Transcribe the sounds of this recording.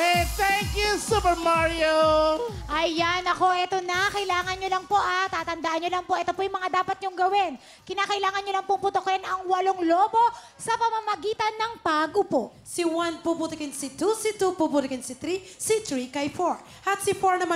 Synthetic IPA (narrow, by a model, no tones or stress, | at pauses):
ɛt̪ɛŋkjusupəmaɹio | ʔɐjanɐko̞ʔɛt̪onɐkɐɪlaːŋɐnɲolɐŋpo̞ʔat̪aːt̪ɐnd̪aʔɐnɲːolɐŋpoʔɛt̪opojŋmɐŋad̪aːpɐt̪̚ɲʊŋɡɐwɪn | kɪnaːkɐʔɪlaːŋɐnɲolɐŋpʊŋpʊt̪okɛnʔɐŋwɐloŋloːbo̞ | sɐpɐmɐmɐɡiːt̪ɐnːɐŋbaːɡopoʔ | siwanpuput̪ɪkɛnsit̪usit̪upubut̪ɪkɪnsit̪ɾisit̪ɾikɐjfoɹ | ʔɐt̪̚sifoɹnɐma